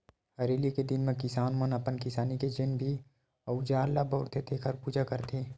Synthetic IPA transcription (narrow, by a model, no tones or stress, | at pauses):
hɐɾeːliked̪ɪnmẽkɪsaːnmənɐpənkɪsaːniked͡ʒɪnbʱi | ɐud͡ʒaːɾlabɔːɾt̪ʰet̪ʰeːkʰəɾpuːd͡ʒakɐɾt̪ʰeː